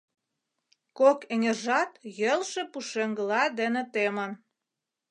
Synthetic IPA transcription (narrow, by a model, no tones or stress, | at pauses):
kokeŋʲerʒɑt̪jəlʃĕpuʃeŋɡə̆lɑd̪enĕt̪emən